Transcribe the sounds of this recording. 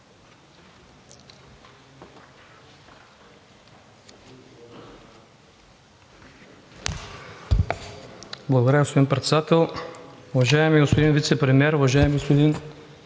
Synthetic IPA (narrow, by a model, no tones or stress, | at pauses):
blˠɐɡod̪ɾəɡospod̪inpɾɛt̪sɛd̪at̪ɛlˠʊvaʒaɛmiɡospod̪invit̪sɛpɾɛmʲiɛɾʊvaʒaɛmiɡospod̪in